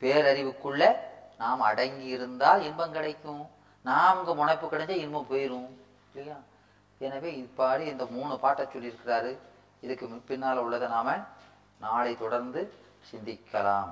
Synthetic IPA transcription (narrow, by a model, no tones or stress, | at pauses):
peːɾɐɾɪʋɯkːɯɭːɐnaːmɐɽɐŋɡɪɪɾɯnd̪aːlɪnbɐmkɪɽɐɪkːʊ̃ | naːɐʋɐŋɡɐmʊɳɐɪpːɯkɪɽɐɲd͡ʒɐɪnbɐmpoːjɪɾɯ̃ | lɪjaː | ɛnɐʋeːɪpːaːɾiɛnd̪ɐmuːɳɯpaːʈːɐt͡ʃːɔlːɪɾɯkːɪraːɾɯ | ɪðɯkːɯmɪpːɪnːaːlɐʊɭːɐðɐnaːmɐ | naːlɐɪt̪ɔɽɐɾnd̪ɯ | sɪnd̪ɪkːɐlaːm